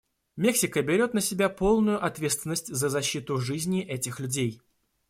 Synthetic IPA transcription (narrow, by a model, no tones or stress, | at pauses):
mʲe̞ksʲɪkəbʲɪɾʲo̞t̪nəsʲɪbʲapo̞lˠnʊjʊʔɐt̪vʲe̞t̪st̪vʲɪnːəsʲtʲzəzɐɕːit̪ʊʐɨzʲnʲɪʔɛtʲɪxlʲʉdʲej